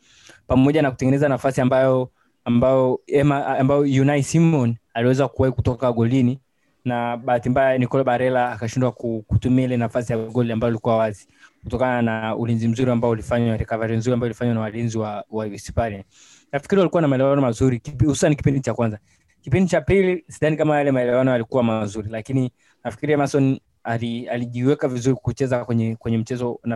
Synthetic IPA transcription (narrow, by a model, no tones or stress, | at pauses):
pamɔʄanakutɛŋɡɛnɛzanafasiambajɔ | ambajɔɛmambajɔjunaisimɔnaliwɛzakuwaikutɔkaɠɔlini | naɓahatimbajanikɔlaɓaɾɛlaːkaʃindwakukutumiailɛnafasijawɡɔliambajɔalikuwawazi | kutɔkananaṵlinzim̩zuɾiambaɔulifaɲaɾɛkavaɾim̩zuɾiambaɔulifaɲwanawalinziwawajuɛsi̥palɛn | nafikiɾiwalikuwanamaɛlɛwanɔmazuɾikiphusu̥saniki̥pindit͡ʃakwanza | kipindit͡ʃapilisiɗanikamajalɛmaɛlɛwanɔalikuwamazuɾilakini | nafi̥kiɾiɛmasɔn | alialiʄiwɛkavizuɾikut͡ʃɛzakwɛɲɛkwɛɲɛm̩t͡ʃɛzɔna